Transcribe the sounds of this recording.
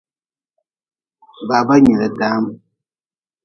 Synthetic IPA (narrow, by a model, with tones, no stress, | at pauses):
ba˨ba˦ɲɛ˨lɛ˨daː˦m